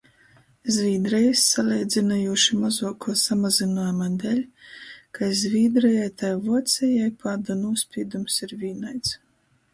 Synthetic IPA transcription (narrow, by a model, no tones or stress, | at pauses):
zʲvʲiːd̪ɾɛjisːalʲɛjd̪zinajuɔʃimazuɔkuɔsamazinɔːjmad̪ɛlʲkajzvʲiːd̪ɾɛjajt̪ajvuɔt̪sʲɛjajpʰaːd̪anuɔsʲpʲiːd̪umsiɾvʲiːnajt̪s